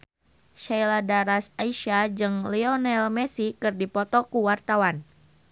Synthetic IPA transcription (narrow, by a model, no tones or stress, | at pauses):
ʃajladaɾasaiʃad͡ʒɨŋliɔnɛlmɛsikɨrdipɔt̪ɔkuwart̪awan